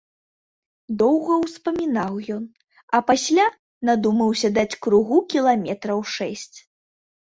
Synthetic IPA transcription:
d̪ɔwɣɐwspɐmʲinawjɔn | ɐpasʲlʲa | nad̪umɐwsʲɐd̪at͡sʲkɾuɣukʲilˠamʲɛt̪ɾɐwʂɛsʲt͡sʲ

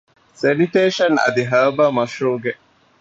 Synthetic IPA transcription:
seniʈeːʃɐnɐ̰d̪iɦɐːbɐːmɐʃɾuːɡeʔ

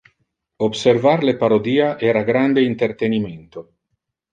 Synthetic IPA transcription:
observarlepaɾod̪iːaʔɛːɾaɡɾand̪eint̪ert̪eniment̪o

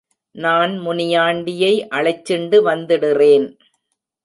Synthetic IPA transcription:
naːnmʊnɪjaːɳɖɪjɐɪʔɐɭɐɪt͡ʃːɪɳɖɯʋɐnd̪ɪɽɯreːn

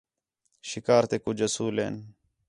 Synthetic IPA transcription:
ʃɪkaːɾt̪eːkud͡ʒəsuːlḛːn

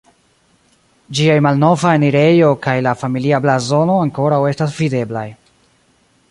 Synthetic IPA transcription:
d͡ʒiajmalno̞vaeniɾe̞jo̞kajlafamiliablazo̞no̞aŋko̞ɾawe̞stasvide̞bla̰j

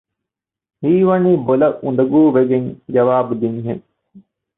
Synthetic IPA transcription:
hiːʋɐniːbolɐʔund̪ɐɡuːʋeɡeŋd͡ʒɐʋaːbud̪iŋɦḛŋ

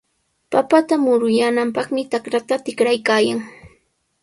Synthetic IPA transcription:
papat̪amʊɾʊjanampɑχmɪt̪akɾat̪at̪ɪkɾajkaːjaŋ

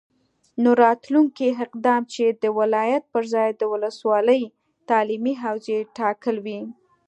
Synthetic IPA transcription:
noɾɑt̪luŋkiɪqd̪ɑmt͡ʃed̪əwɪlɑjat̪̚pəɾzɑjd̪əwʊləswɑləj | t̪ɑlimiɦawzeʈɑkəlwi

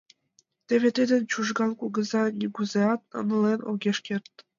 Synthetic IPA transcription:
t̪evet̪ed̪ent͡ɕuʒɡɑlˠkuɡɤ̆zɑnʲiɡuzeɑt̪̚ɤ̰nɤlenoɡʲeʃkʲert̪

